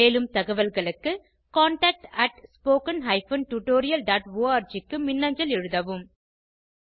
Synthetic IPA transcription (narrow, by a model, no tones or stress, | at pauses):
eːlɯmt̪ɐɣɐʋɐlɣɐɭɯkːɯ | kaːɳʈaːk̚ʈɐʈspoːkɐnɦɐɪfɐnʈuʈoːɾɪjɐlɖaːʈʋoːaːɾd͡ʒɪkːɯmɪnːɐɲd͡ʒɐlɛɻɯðɐʋɯm